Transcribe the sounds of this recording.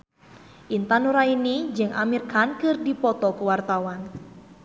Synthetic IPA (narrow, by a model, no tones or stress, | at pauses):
ʔint̪anuɾainid͡ʒɨŋʔa̰mirkankɨrdipɔt̪ɔkuwart̪awan